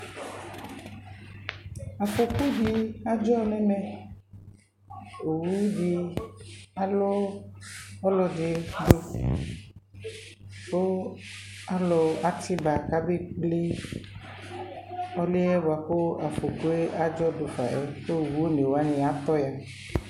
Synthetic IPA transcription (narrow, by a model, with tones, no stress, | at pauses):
a˨fo˨ko˦d͡ʒi˦a˦d͡ʒɔ˦nɛ˦mɛ˨ | o˨wu˦u˦ɖi˦ | a˦lo˦ | ɔ˦lɔ˨ɖe˨ɖo˦ | ko˦ | a˦lɔ˨a˦t̪i˦ba˨ka˦be˦k͡ple˦ | ɔ˦le˦ɛ˦ba˨po˦a˨fo˨ko˦e˦ʔa˦d͡ʒɔ˦do˨fa̰˨ʔɛ˦ɸo˦˨wu˦o˦ne˨wa˦nẽ˨a˨t̪ɔ˦ja˨